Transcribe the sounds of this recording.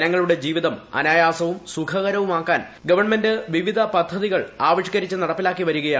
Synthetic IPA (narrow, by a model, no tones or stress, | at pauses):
ɐnɐŋːɐɭuɽe̞d͡ʑiːʋiðɐmɐ̰naːjaːsɐʋumsukʰɐɣɐɾɐʋumaːkːaːn | ɡɐʋɐrɳmendɨʋiʋid̪ʱɐpɐd̪ʱːɐðiɣɐɭaːʋiʂɕkɐɾit͡ɕːɨnɐɽɐpːilaːkːiʋɐɾuɣɐjaː